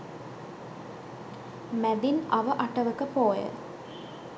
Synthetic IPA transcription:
mæd̪inɐʋəʔɐʈɐʋəkəpoːjə̰

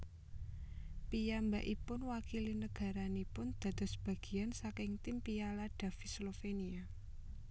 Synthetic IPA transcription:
pijambaʔipʊnwakilinəɡ̥a̤ɾanipʊnd̪̥a̤t̪ɔsb̥a̤ɡ̥i̤ansakɪŋt̪impijalaɖ̥ä̤fislofenia

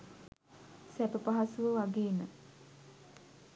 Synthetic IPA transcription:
sæpəpaɦasuʋəʋaɡeːnə

